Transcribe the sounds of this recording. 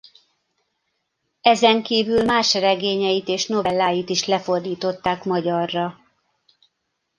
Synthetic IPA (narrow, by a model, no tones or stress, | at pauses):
ɛzɛŋkiːvylmaːʃrɛɡeːɲɛjit̪eːʃno̞vɛlːaːjit̪iʃlɛfo̞rd̪iːt̪o̞t̪ːaːkmɒɟɒrːɒ